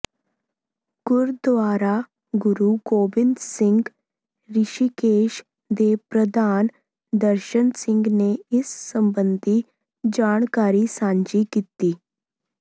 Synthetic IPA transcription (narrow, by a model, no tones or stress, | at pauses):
kʊɾd̪ʋaːɾa | ɡʊɾukoːbɪnd̪sɪŋɡ | ɾɪʃikeːʃ | d̪epɾəd̪ʱaːn | d̪əɾʃənsɪ̃ŋɡneɪsːəmbənd̪ʱi | d͡ʒaːɳ̃kaːɾisãːɲd͡ʒikit̪iː